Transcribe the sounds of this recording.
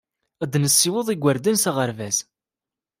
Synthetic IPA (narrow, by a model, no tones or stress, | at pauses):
æd̪nəsːiwəðˤiɡʷːəɾd̪ənsaʁəɾvæs